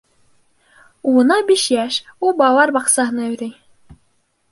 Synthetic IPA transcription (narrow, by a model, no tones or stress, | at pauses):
uɤ̆nɑbiʃjæʃulˠbɑlˠɑɾbɑqsɑɦɤ̆nɑɵ̆ɾæj